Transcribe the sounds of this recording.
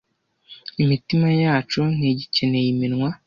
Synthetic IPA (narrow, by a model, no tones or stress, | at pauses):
imitimajaːt͡ʃuneɟicene̞jiminŋwa